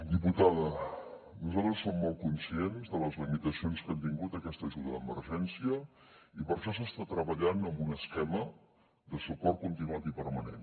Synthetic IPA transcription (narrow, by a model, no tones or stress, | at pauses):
d̪iput̪aðə | nuzalˠt̪ɾəsːomːɔlˠt̪̚kunsienzðələzlimit̪əsionskɛmt̪iŋɡut̪əkɛst̪əʒuðəðəmə̰ɾʒɛnsiə | ipəɾʃɔs̬əst̪at̪ɾəβəʎanəmbunəskɛmə | ðəsupɔrt̪̚kunt̪inuat̪ipəɾmənḛn